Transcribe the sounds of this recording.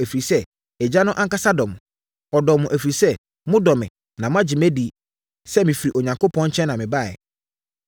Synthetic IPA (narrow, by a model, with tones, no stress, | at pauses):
æ˨fɾi˨sɛ˦ | ɛ˨d͡ʑa˦nʊ̃˦ʔã˦ŋka˦sa˦dɔ˨m̃˨ | ɔ˨dɔ˨mʊ̃˨ʔæ˨fɾi˨sɛ˦ | mʊ̃˦dɔ˨mɪ̰̃˨ | nã˨mʊ̃˦a˦d͡ʑɪ˨m˦ɛ˦di˨ | sɛ˦mɪ̃˨fi˨ɾi˨ʔo˨ɲã˨ŋko˦pʰɔ̃˦ɲ̩˦t͡ɕʰɛ̃˦nːã˨mɪ̃˨ba˦˨ɛ̰˨